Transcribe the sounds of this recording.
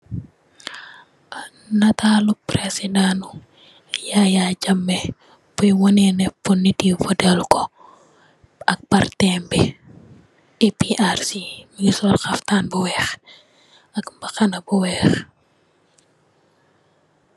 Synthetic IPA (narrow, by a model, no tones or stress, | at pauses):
nɐtaːlupɾɛsidanu | jajaɟɐmːɛ | pujwɔnɛnɛpːunːitifɔdɛlkɔ | ɐk̚pɐrtɛmbɛ | ipiʔarsimiɡisɔlxɐftanbuwɛːx | ɐkbɐxɐnɐbuwɛːx